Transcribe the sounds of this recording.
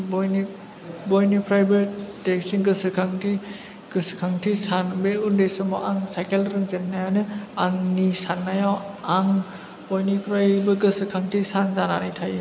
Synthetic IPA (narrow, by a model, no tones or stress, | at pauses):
bɔjni | bɔjnipʰɾajbeteksinɡɯsɯkʰaŋtʰi | ɡ̥ɯsɯ̥kʰaŋtʰisanbeundesɯmɔ̰ʔaŋsajkelɾɯŋzenːajanɯaŋnisanːajawaŋ | b̥ɔjnikʰɾajbɯɡɯsɯkʰaŋtʰisanzananajtʰajɯ